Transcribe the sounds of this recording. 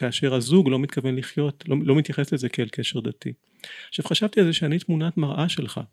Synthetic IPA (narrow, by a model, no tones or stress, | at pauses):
kaːʃe̞ʁazuɡlo̞mit̪kave̞nliχjo̞t̪lolomit̪jaχe̞slezekelkeʃe̞ʁd̪atḭ | aχʃav̥χaʃavt̪ielzeʃeanit̪munatmaʁʔaʃe̞lχa̰